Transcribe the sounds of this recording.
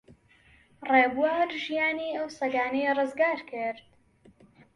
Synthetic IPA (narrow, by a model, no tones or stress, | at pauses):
reːbuwaːɾʒijaːniːɐwsɐɡaːnɐjɐrˤɨzɡaːɾkʰɨɾt̪